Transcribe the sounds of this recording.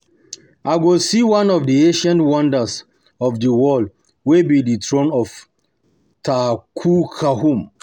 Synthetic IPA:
ʔaɪɡosiwãnɔvdiẽʃãntwãndəs | ɔfdəwɔld | webiditɹõnɔf | takʰukʰahũm

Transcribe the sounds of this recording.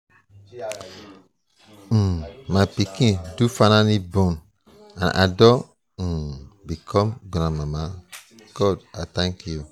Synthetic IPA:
mapikĩdufanãnibɔ̃n | ã̰nʔa̰dɔ | bikʰɔ̃mɡɾãmama | ɡ̥ɔdat̪ãŋkju

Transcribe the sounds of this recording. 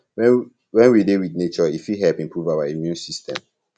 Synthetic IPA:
wɛ | wɛ̃nwidewidnet͡ʃɔifiɦɛlpĩmpʰɹuvawaimjũnsistɛ̰̃m

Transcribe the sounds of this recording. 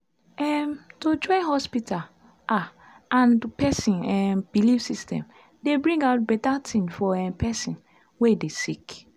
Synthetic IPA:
ɛmtod͡ʒɔ̃ɪɦɔspital | a | ãnpɛsĩnɛmb̥ilifsistɛ̰̃m | debɹĩŋɡaʊt̚bɛtatʰĩmfɔɛmpɛsĩn | wedesik

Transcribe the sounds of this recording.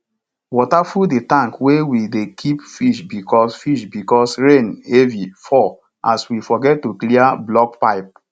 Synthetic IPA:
wɔtafuldetãŋkwewidekʰipfiʃbikɔsfiʃbikɔsɹẽnevifɔ | aswifɔɡɛt̚ːukliablɔk̚paɪp̚

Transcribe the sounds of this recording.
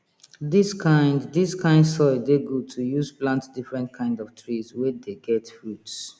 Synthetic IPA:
diskʰãɪ̃nddiskʰãɪ̃ndsɔɪdeɡotʰujuzplãntdifɹɛ̃ntkʰãɪ̃ndɔftʰɹizwɛdeɡɛtfɹuts

